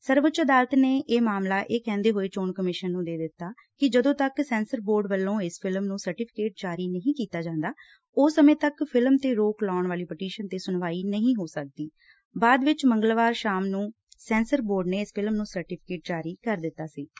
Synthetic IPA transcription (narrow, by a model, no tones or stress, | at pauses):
səɾʋʊt͡ʃəd̪aːlət̪neːʔeːmaːmlaːʔeːkɛ̃ːnd̪eːɦoːeːt͡ʃoːɳkəmɪʃənːũːd̪eːd̪ɪt̪ːaː | kɪd͡ʒəd̪õːt̪əksɛ̃ːnsəɾboːɾɖʋəlːõːɪspʰɪlmnũːsəɾʈɪpʰɪ̥keːʈ̚d͡ʒaːɾiːnəɦĩːkiːt̪aːd͡ʒãːnd̪aː | oːsəmẽːt̪əkpʰɪlmt̪eːɾoːklɔːɳʋaːliːpəʈiːʃənt̪eːsʊnʋaːiːnəɦĩːɦoːsək̚d̪iː | baːd̪ʋɪt͡ʃməŋɡəlʋaːɾʃaːmnũː | sɛ̃ːnsəɾboːɾɖneːɪspʰɪlmnũːsəɾʈɪpʰɪ̥keːʈ̚d͡ʒaːɾiːkəɾd̪ɪt̪ːaːsiː